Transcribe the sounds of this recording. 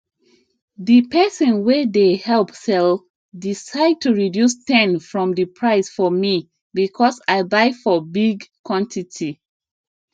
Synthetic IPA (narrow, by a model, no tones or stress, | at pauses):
ðipɛsə̃nwɛðehɛlpsɛl | disaɪd̚tʰuɹidjustɛ̃nfɹɔ̃mðɨpʰɹaɪsfɔmi | bikʰɔsaɪbaɪfɔbiɡkʰwɔ̃ntʰitʰi